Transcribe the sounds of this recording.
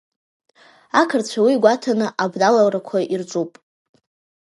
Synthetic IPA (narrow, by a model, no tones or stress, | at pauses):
akʰərt͡ɕʷʰawiɡʷatʰanɨʔabdalalrakʷʰaʔirt͡ʃʷʼupʼ